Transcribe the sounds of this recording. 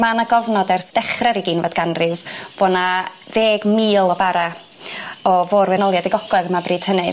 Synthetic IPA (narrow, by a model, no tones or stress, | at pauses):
manaɡɔvnɔdɛrsd̥ɛχrɛɾiɡiːnvadɡanrɨvb̥ona | ðeːɡmiːlˠɔbaɾa | ɔvoːrvɛnɔlˠjadɪɡɔɡ̥lˠɛðəmabriːd̥hənɨ